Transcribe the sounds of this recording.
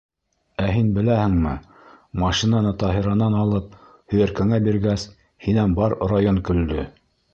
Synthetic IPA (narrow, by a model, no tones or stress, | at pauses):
æɦinbɘ̆læhɘ̆ŋmɘ | mɑʃinɑnɤt̪ɑɦiɾɑnɑnɑlˠɤp̚ | hɵ̆jæɾkæŋæbiɾɡæs | hinænbɑɾrajonkɵ̆ld̪ɵ